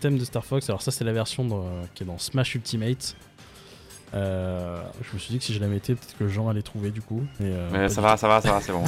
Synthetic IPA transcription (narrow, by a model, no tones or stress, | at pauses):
t̪ɛmd̪əst̪aʁfɔksalɔʁsasɛlavɛʁsjɔ̃d̪kʲiɛd̪ɑ̃smaʃylt̪ʰimɛt̪ | ø | ʒəməsɥid̪ikə̥siʒəlamet̪ʰepøt̪ɛt̪χkəlʒɑ̃alɛt̪χuved̪ykumɛøɛsavasavasavasɛbɔ̃